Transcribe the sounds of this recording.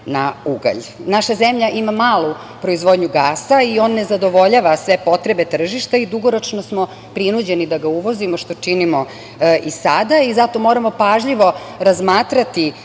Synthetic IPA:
nauɡa̰ʎnaʃazemʎaʔimamaːlˠu | pɾo̞izʋod̪ɲuɡaːsaio̞nːe̞zad̪o̞ʋo̞ʎaːʋasʋe̞po̞t̪ɾebe̞t̪r̩ʒiʃt̪aid̪uɡo̞ɾo̞t͡ʃnosmo̞ | pɾinud͡ʑenid̪aɡauʋo̞zimoʃt̪o̞t͡ʂinimo̞ | isad̪aizat̪o̞mo̞ɾamo̞paʒʎiʋo̞ | ɾazmaːt̪ɾat̪i

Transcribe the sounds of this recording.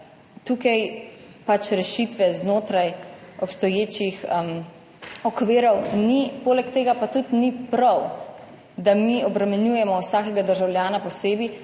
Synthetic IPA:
t̪uːkaj | pat͡ʃɾɛʃit̪ʋɛznoːt̪ɾajɔpst̪ɔjeːt͡ʃixm | ɔkʋeːɾɔwnipoːlɛkt̪eːɡapat̪ut̪nipɾɔw | d̪amiɔbɾɛmɛnjuːjɛmɔwsaːkɛɡad̪əɾʒawlʲjaːnapɔseːbi

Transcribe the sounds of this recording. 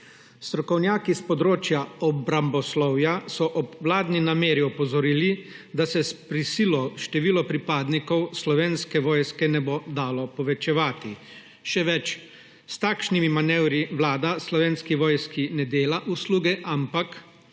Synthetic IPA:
st̪ɾɔkɔwnjaːkispɔd̪ɾoːt͡ʃjaɔbɾambɔslɔwjasɔʔɔbʋlaːd̪ninameːɾiɔpɔzɔɾiːli | d̪asɛspɾisiːlɔʃt̪ɛʋiːlɔpɾipaːd̪nikɔwslɔʋeːnskɛʋɔːjskɛnɛbod̪aːlɔpɔʋɛt͡ʃɛʋaːt̪i | ʃɛʋɛt͡ʃ | st̪aːkʃnimimanɛwɾiʋlaːd̪aslɔʋeːnskiʋɔːjskinɛd̪eːlaʔusluːɡɛʔampak

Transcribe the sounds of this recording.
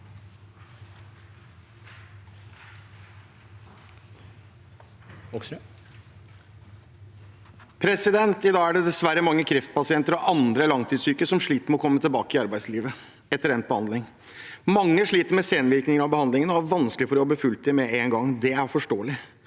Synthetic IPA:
pʰɾɛsɪd̪ɛnt̪ɪd̪ɑːɡæɖɛd̪ɛsʋæɾːəmɑŋːəkʰɾɪft̪̚pɑsɪɛnt̪əɾɔʔɑnd̪ɾəlɑŋt̪ʰiːsyːkəsɔmʂɭiːt̪əɾmɛɔkʰɔmːət̪ʰəlbɑːkəɪɑɾbæɪsliːʋə | ɛt̪ːəɾɛnt̪̚bəhɑnd̪lɪŋ | mɑŋːəʂɭiːt̪əɾmɛseːnʋɪɾknɪŋənɑʋbəhɑnd̪lɪŋənɔæɾʋɑnsklɪfɔɾɪhɑbəfʉlt̪̚d̪ɪmɛeːnɡɑŋːd̪ɛæɾfɔʂʈoːəlɪ

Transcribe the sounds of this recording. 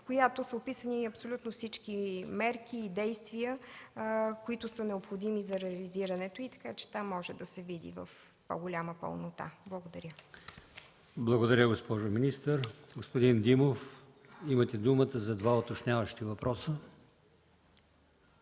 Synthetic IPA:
kojat̪osəopisəniɐpsolʲut̪nofsit͡ʃkimɛɾk̟iːd̪ɛjst̪vijə | koit̪ʊsənɛopxod̪imizɐɾɛəliziɾənɛt̪oit̪ɐ̥kat͡ʃɛ̥t̪amːɔʒɛd̪ɐsɛvid̪ḭvə̰f | po̰ɡolʲaməpə̰lˠnot̪a̰blˠəɡod̪ɐɾʲjə | blˠɐɡod̪ɐɾʲəɡospɔʒominist̪əɾɡospod̪ind̪imof | imət̪ɛd̪umət̪əzɐd̪vaot̪ot͡ʃnʲavəʃt̪ivɐpɾɔsə

